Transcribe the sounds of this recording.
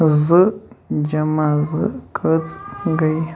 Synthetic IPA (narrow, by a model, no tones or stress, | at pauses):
zɨd͡ʒamazɨkʰət͡sɡaj